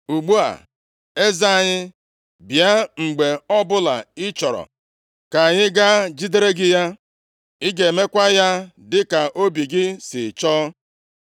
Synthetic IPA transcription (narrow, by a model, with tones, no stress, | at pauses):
u˨ɡ͡bu˦a̰˨ | e˦za˦˨ɲɪ˦ | bja˦ŋ͡m̩˨ɡ͡be˨ɔ˦bʊ˦la̰˨ɪ˦t͡ʃɔ˨ɾɔ̰˨ | ka˨ɲɪ˦ɡa˦d͡ʒi˦de˦ɾe˦ɡɪ˦ja˦ | ɪ˦ɡe˨me˦kʷa˦ja˦dɪ˦ka˨ʔo˦bi˨ɡɪ˦sɪ˨t͡ʃɔː˦